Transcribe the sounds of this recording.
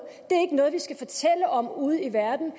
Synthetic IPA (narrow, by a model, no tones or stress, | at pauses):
d̥e̝æɐe̝ɡənɔ̽ːð̞̩ˠʋisɡ̥æfɒ̽t͡sʰel̰əʔɒ̽muːð̞ˠiʋæɐd̥n̩